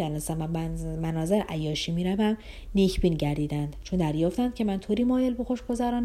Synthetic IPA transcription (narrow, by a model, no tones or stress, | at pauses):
ælæsæmæmænɒːzeɾʔæjːɒːʃiːmiːɾævæm | necʰbiːnɟæɾd̪iːd̪ænd̪̥t͡ʃʰond̪æɾjɒːft̪ænd̪̚cʰe̞mænt̪ʰoːɾiːmɒːjelboxoʃɡo̞zæɾɒːn